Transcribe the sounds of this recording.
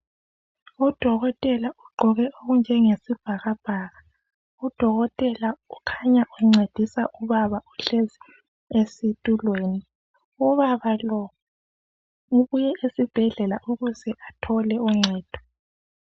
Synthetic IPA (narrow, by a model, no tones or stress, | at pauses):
ud̥ʱɔɣɔtʼɛlaʔuɡ͡ǃʱɔɣɛʔoɣund͡ʒʱɛŋesib̥ʱaɣab̥ʱaːɣa | ud̥ʱɔɣɔtʼɛlaukʰaɲaʔuŋ͡ǀed̥ʱisaʔuβaβaʔuɬezi | esitʼulweːni | uβaβalɔ | uβujɛʔesib̥ʱɛɮɛlaʔuɣuzɛʔatʰɔlɛuŋ͡ǀʱɛːd̥ʱɔ̥